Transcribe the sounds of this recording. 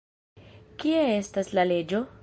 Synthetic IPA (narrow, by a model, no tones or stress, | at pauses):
kie̞e̞staslale̞d͡ʒo̞